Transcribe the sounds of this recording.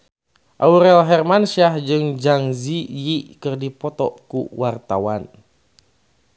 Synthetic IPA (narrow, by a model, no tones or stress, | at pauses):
ʔauɾɛlɦɛrmansiahd͡ʒɨŋd͡ʒaŋzijikɨrdipɔt̪ɔ̰kṵwart̪awan